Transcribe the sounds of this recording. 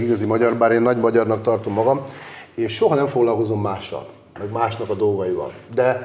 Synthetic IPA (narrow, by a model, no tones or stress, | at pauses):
iɡɒzimɒɟɒrbaːɾeːnːɒɟmɒɟɒrnɒkt̪ɒrt̪o̞mːɒɡɒmeːʃːo̞ɦɒnɛɱfoɡlɒlko̞zo̞mːaːʃːɒ̰l | mɛɡmaːʃnɒkɒd̪o̞lɡɒjivɒ̰ld̪ɛ